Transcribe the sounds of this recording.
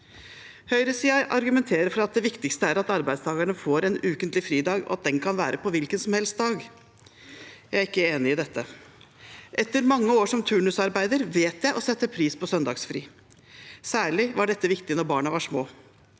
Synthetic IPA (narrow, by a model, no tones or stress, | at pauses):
hœʏɾəsiːjæɪʔɑɾɡʉmɛnt̪ʰeːɾəɾfɔɾɑt̪̚d̪ɛʋɪkt̪ɪkst̪əæɾɑt̪ɑɾbæɪd̪st̪ʰɑːɡəɳəfoːɾɛnøːkənt̪lɪfɾiːd̪ɑːɡɔ̰ɑt̪̚d̪ɛnkʰɑnʋæːɾʔəpɔʋɪlkənsɔmhɛlst̪̚d̪ɑːɡ | jæɪæɾɪkːəeːnɪɪd̪ɛt̪ʰːə | ʔɛt̪ːəɾmɑŋːəoːʂɔmt̪ʰʉɳʉsɑɾbæɪd̪əɾʋeːt̪jæɪʔɔsɛt̪ːəpʰɾiːspɔsœnd̪ɑ̰ːɡsfɾḭː | sæːɭɪʋɑɖɛt̪ːəʋɪkt̪ɪnɔɾbɑːɳəʋɑʂmoː